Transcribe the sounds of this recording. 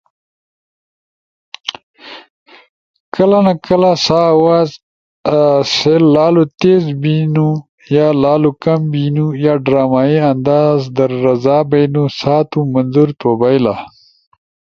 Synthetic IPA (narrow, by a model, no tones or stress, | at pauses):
kəlanakʰəlasawaːz | sellaːlut̪ezbinu | jaːlaːlukɐmbinujaːɖɾaːmaːiɐnd̪aːzd̪əɾːɐzaːbajnusaːt̪umɐnzuɾt̪obajla̰